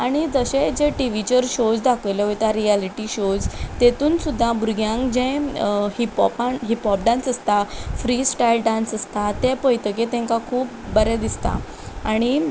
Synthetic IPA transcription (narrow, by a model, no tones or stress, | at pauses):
aɽ̃id͡zəɕed͡ʑeʈiʋit͡ɕəɾɕod͡zd̪akʰəjlɛʋojt̪aɾialiʈiɕod͡zt̪et̪uːnsud̪ʱːabuɾɡʱjãŋkd͡ʑɛ̃hipɔ̰pãɦipɔp̚ɖãnsəst̪afɾisʈailɖãnsəst̪at̪ɛ̃pəjt̪əket̪ɛ̃ŋkakʰuːp | bəɾɛd̪ist̪a̰ | aɽ̃i